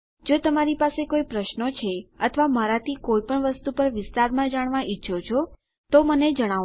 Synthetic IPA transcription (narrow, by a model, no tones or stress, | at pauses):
d͡ʒot̪əmaɾipasekoipɾəʃnot͡ʃʰeət̪ʰəʋaməɾat̪ʰikoipəɳʋəst̪upəɾʋɪst̪aɾmãd͡ʒaɽ̃ʋãʔiʃʰot͡ʃʰo | t̪oməned͡ʒəɽ̃a